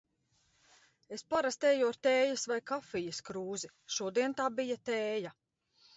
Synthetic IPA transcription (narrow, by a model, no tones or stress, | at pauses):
espaɾast̪ɛːjuɾt̪ɛːjɐsvajkafijɐskɾuːzi | ʃuɔd̪iɛnt̪aːbijat̪eːja